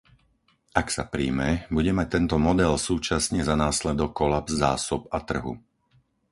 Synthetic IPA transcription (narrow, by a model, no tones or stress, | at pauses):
aksapɾḭːmɛbuɟɛmac̚t̪ɛnt̪ɔmɔd̪ɛlsuːt͡ʃasɲɛzanaːslɛd̪ɔkːɔlabzːa̰ːsɔpat̪r̩ɦṵ